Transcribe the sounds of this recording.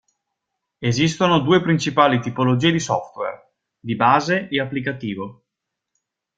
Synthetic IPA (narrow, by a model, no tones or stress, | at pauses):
ezist̪onod̪uːepɾint͡ʃipaːlit̪ipolod͡ʒiːed̪isɔft̪wḛr | d̪ibaːzeeapːlik̬at̪iːvo